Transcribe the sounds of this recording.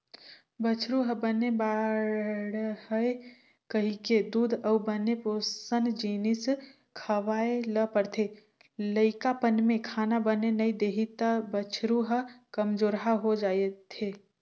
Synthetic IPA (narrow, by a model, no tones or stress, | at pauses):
bət͡ʃʰɾuɦəbəneba | ɽhəe | kəɦiked̪uːd̪ʱəubəneposənd͡ʒinis | kʰəʋaːeləpəɾt̪ʰe | ləɪkapənmẽkʰaːnabənenəid̪eːɦit̪abət͡ʃʰɾuɦəkəmd͡ʒoːɾɦaɦod͡ʒaːet̪ʰe